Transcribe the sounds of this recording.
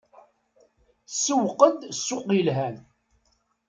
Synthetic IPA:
səwqəd̪sːʊqilɦæn

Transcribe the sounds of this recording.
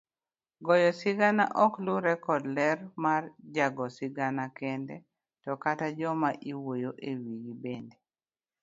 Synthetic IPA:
ɡɔjɔsɪɡana̰ʔɔkluɾɛkɔdlɛrmard͡ʒaɡɔsɪɡanakɛndɛ | tɔkatad͡ʒɔmaʔiwojoʔewiɡibende

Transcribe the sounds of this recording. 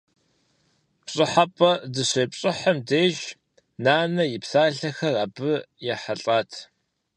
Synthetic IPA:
pɕʼɪħapʼɐdɨɕejpɕʼɪħɐmdeːʒ | naːnɐjɪpsaːɮɐxɐrɐbɨjaħaɬʼaːtʰ

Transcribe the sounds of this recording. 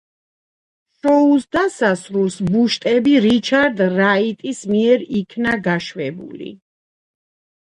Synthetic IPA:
ʃɔusd̪asasɾulsbuʃt̪ʼɛbiɾit͡ʃʰaɾd̪ɾait̪ʼismiɛɾikʰnaɡaʃvɛbṵlḭ

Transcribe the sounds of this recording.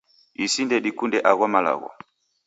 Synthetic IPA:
isindɛɗikundɛʔaɣɔmala̰ɣɔ̰

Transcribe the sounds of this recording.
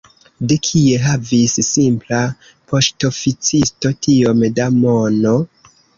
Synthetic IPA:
dekʰie̞ɦavisːimpla | po̞ʃto̞fit͡sisto̞tio̞mdamono̞

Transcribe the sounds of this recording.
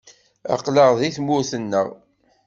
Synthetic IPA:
ɑ̰qləʁðiθmʊɾθənːə̰ʁ

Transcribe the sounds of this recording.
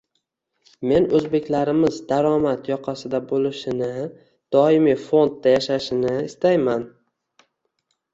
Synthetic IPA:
me̞nɵzbe̞kʲlaɾɪmɪzd̪aɾɒmat̪jɒqʰɑsɪd̪abolɪʃɪnɪ | d̪̥ɒɪmifo̞nd̪̚d̪ajaʃaʃɪnɪɪst̪ajman

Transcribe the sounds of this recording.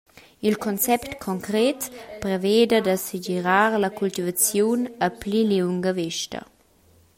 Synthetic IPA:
ilkʰɔnt͡sɛptkʰɔŋkɾetprɛveːdədasid͡ʒiɾaʁlakult̪ivat͡sjunəpliliuŋɡəvɪʃtɐ̰

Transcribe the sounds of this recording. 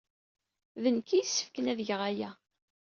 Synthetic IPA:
ðənkijsːə̥fkənæðəʝəʁæjæ

